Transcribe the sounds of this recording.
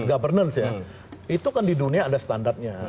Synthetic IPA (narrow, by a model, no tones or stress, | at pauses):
ɡabərnəlsja | it̪ukandiduniaːdasə̥t̪andart̪̚ɲa